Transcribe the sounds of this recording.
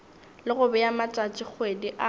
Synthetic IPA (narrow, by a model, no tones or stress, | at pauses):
lɪɣʊbɛjamat͡sʼat͡ʃʼɪk͡xʰwediʔa